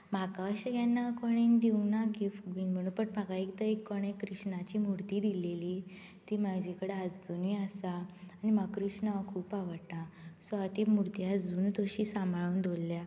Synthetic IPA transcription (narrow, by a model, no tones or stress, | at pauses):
m̤akaɕəɡjanːakɔɽ̃ind̪iuŋɡnaɡifʈbiːnm̤əɽ̃ũpəʈmaɡaikt̪əekːɔɽ̃ẽkɾiʂɳat͡ɕiːmuɾt̪iːd̪ileliː | t̪iːmaɡd͡ʑikəɽead͡zd͡zonujasaːnimakɾiʂnaʋakʰuːpaʋəɽt̪asɔat̪iːmuɾt̪iad͡zd͡zuːnt̪oɕiːsamʱaɭuːnd̪ʱolːja